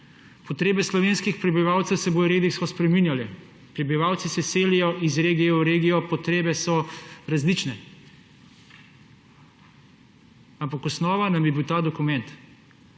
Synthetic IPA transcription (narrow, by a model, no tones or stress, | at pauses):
pɔt̪ɾeːbɛslɔʋeːnskixpɾɛbiʋaːwt̪sɛwsɛboːdjɔɾeːd̪ikskɔspɾɛminjalɛ | pɾɛbiʋaːw̪sisɛseːlijɔʔizɾeːɡijɛwɾeːɡijɔpɔt̪ɾeːbɛsɔɾazlit͡ʃnɛ | ampakɔsnɔːʋanamjibiwt̪aːd̪ɔkumɛnt̪